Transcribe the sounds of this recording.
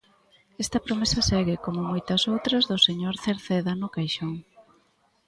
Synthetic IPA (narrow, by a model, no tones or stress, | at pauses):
ɛst̪ɐpɾomesɐsɛɣɪkomʊmojt̪ɐsowt̪ɾɐzðʊseɲoɾθeɾθeðanʊkajʃoŋ